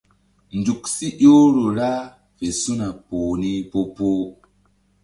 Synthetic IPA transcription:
nd͡ʒu˨ksi˦ʔo˦ɾo˨ɾa˦ | ve˨su˦na˨po˨ni˦po˦po˦

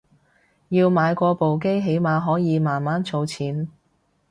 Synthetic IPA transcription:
jiː˧wmaː˨˧jkʷɔː˧po˨wk̬e˥jɦe˨˥jmaː˨˧ɦɔː˨˥jiː˨˧maː˨nmaː˨˥nt͡sʰo˨˧wt͡sʰiː˨˥n

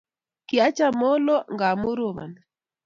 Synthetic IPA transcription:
ki˨a˦t͡ʃa˦mɔ˦lɔ˦ŋɡa˨mʊ˦ɾo˨ma̰˨n

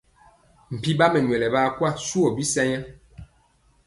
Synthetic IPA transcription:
m̩˨pi˦ba˦mɛ˨ɲwɛ˨lɛ˨baː˦kwa˦su˦ɔ˨bi˦sɛ˦ɲa˦

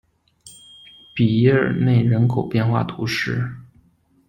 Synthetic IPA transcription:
pi˨˩ə˥˨˩ne˥˩ɪɻə˧˥nkʰo˨˩ʊpjɛ˥˧nxwa̰˥˩t̪ʰu˧˥ʂɻ̩˥˩

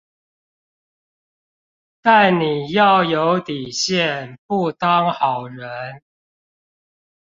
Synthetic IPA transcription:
t̪a˥˨nni˨˩jɑ˥˨ʊjo˨˦ʊt̪i˨˩ɕjɛ˥˨npu˥˨t̪ɑ˦ŋxɑ˨˩ʊɻə˨˦n

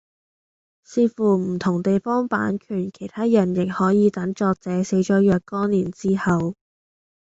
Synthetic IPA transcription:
siː˧fuː˨˩m̩˨˩t̪ʰʊ˨˩ŋt̪e˨jfɔː˥ŋpa̰ː˨˥nkʰyː˨˩nkʰe˨˩jt̪ʰaː˥jɐ˨˩njɪ˨˩k̚hɔː˨˥jiː˨˧t̪ɐ˨˥ŋt͡ʃɔː˧k̚t͡sɛː˨˥se˨˥jt͡ʃɔː˨˥jœː˨˧k̚kɔː˥niː˨˩nt͡siː˥hɐ˨w

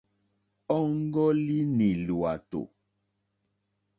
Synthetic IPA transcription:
ɔ˦ŋ˦ɡɔ˦li˦nĩ˨lu˨a˨to̰˨

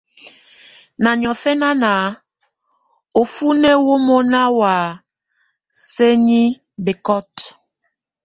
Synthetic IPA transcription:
na˨ɲ˨ɔ˨fɛ˦na˦na˨˦ | o˨fu˦nɛ˦wo˦mo˦na˦wa˨ | se˦ni˦ | be˨kɔ˦t

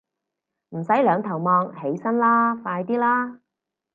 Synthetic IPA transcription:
m̩˨˩sɐ˨˥jlœː˨˧ŋt̪ʰɐ˨˩wmɔː˧ŋhe˨˥jsɐ˥nlaː˥faː˧jt̪iː˥laː˥

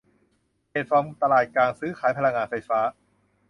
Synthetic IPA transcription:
heː˨˩t̪̚fa˧mt̪a˧laː˨˩t̪̚kaː˧nsɯː˦˥kʰaː˩˦jpʰa˧la˧ŋːaː˧nfa˧jfaː˦˥

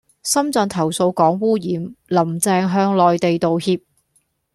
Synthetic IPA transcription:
sɐ˥mt͡sœː˨˧nt̪ʰɐ˨˩wso˧wkɔː˨˥ŋwuː˥jiː˨˥mlɐ˨˩mt͡sɛː˧ŋɦœː˧ŋlɔː˨jt̪e˨jt̪o˨whiː˧p̚

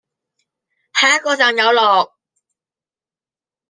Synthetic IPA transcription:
hʰaː˨˦˥kːɔː˧t͡saː˨˩ŋjɐ˨˧wlɔː˨˩k̚

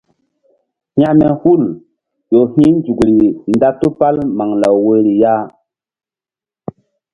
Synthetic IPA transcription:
hj̃ã˦mɛ˨hu˦˨l | ɗo˨hĩ˦nd͡ʒu˨kɾi˨nda˦tu˦pa˦lma˨ŋla˨wwe˦ɾi˨ja˦

